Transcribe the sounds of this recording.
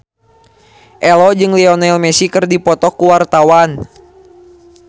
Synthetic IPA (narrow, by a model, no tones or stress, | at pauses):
ʔɛlɔd͡ʒɨŋliɔnɛlmɛsikɨrdipɔt̪ɔkuwart̪awan